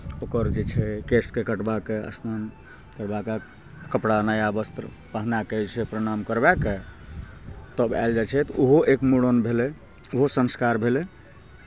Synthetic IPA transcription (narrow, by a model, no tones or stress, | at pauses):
okəɾd͡ʒet͡ʃʰɛkeskekəʈbakeə̰snan | kəɾbaka | kəpɽanajabəst̪ɾə̰ | paɦnaket͡ʃʰɛpɾəɽ̃amkəɾbake | t̪əba̰ɪld͡ʒat͡ʃʰɛt̪uɦoʔekmuɽonbʱele | uɦosə̃nskaɾbʱele